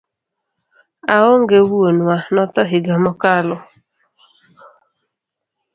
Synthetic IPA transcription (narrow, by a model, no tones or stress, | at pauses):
aoŋɡewuonanɔt̪ɔɦɪɡamɔkalɔ